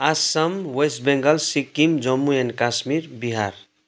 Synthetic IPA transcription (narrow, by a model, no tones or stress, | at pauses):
asamwesʈbeŋɡəlsikːimd͡ʒɔmːuenkasmiɾbiɦaɾ